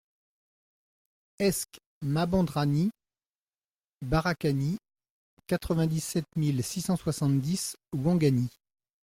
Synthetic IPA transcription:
ɛsk | mabɑ̃d̪ʁani | baʁakani | kat̪χəvɛ̃d̪isɛt̪milsisɑ̃swasɑ̃t̪d̪iswɑ̃ɡani

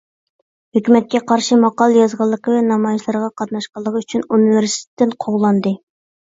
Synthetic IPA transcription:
høkʲymɛt̪̚kʲɛqʰɑɾʃimɑqɑlˠjɑzʁɑlˠːəqəvɛnɑmɑjiʃlˠɑɾʁɑqʰɑt̪nɑʃqɑlˠːəʁəyt͡ʃʰynunivɪɾsi̥t̪ʰet̪ːɪnqʰoʁlˠɑnd̪ɨ

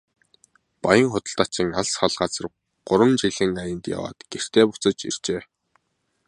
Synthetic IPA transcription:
pɔjə̆ŋχʊt̪ə̆ɬt̪at͡ɕĭŋaɮsχaɮɢat͡sə̆r | ɢ̥ʊɾwə̆nt͡ɕiɮɘ̆ŋajə̆nt̪ja̰wa̰ːt̪ɡ̥er̥t̪ʰeːpʊt͡sə̆t͡ɕḭr̥t͡ɕeː

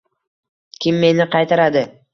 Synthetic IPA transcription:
kʲʰɪmːe̞nɪqʰɑjt̪ʰaɾad̪ɪ

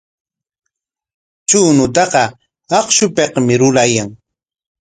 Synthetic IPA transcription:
t͡ʃuːnʊt̪̬ɑqɑ | ɑχʃʊpeqmɪɾʊlajaŋ

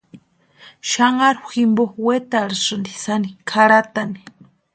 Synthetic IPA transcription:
ʃaŋaɾximbowet̪aɾisɨnd̪isanikʰaɾat̪ani̥

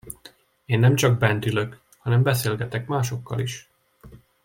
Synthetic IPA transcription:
eːnːɛmt͡ʃɒɡ̚bɛnt̪yløk | hɒnɛmbɛseːlɡɛt̪ɛkmaːʃo̞kːɒ̰liʃ

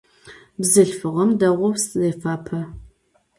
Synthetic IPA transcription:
bzɨɬfɨʁɐmdɐʁʷɔwszeːfaːpʰɐ

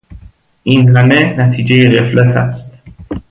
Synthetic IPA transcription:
ʔinɦæmenæt̪ʰiːd͡ʒejeɣe̞flæt̪ʰæ̰st̪

